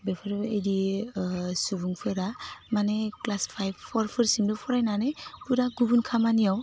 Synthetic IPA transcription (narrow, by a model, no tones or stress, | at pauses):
bepʰɯɾejdi | subuŋpʰɯɾamaneklaspʰajbpʰɔɾpʰɯɾsimdɯpʰɔɾajnanɯpuɾaɡubunkʰamanijaw